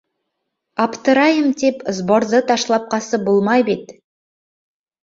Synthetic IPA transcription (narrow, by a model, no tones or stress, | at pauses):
ɑpt̪əɾɑjəmt̪ʰepzboɾðət̪ʰɑʃlˠɑp̚qɑsəbolˠmɑjbet̪